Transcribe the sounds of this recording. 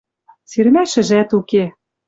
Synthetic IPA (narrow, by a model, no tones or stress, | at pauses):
syɾmæʃɘ̆ʒæt̪uke